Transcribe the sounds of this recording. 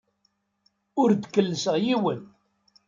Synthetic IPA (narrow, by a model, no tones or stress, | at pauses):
ʊɾd̪kːəlːəsəʁjiwən